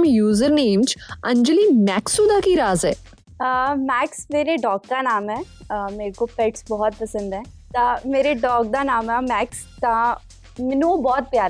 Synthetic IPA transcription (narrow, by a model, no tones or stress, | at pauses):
mjuːzəɾneːmd͡ʒɐ̃ɲd͡ʒəlimɛːksuːd̪akiɾaːzɦɛː | mɛːksmeːɾeɖɔːkkanaːmɦɛ̃ː | əmeːɾekopɛʈsbɔɦɔt̪̚pɐsə̃nd̪ɦɛ̃ː | t̪ameːɾeɖɔːk̚d̪anaːmamɛːks | ka | mɪnobɔːt̪̚pjaːɾɛ